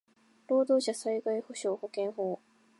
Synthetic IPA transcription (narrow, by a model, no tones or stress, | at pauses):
ɾo̞ːd̪o̞ːɕasaiɡaiho̞ɕo̞ːho̞kẽ̞ɰ̃ɦo̞ː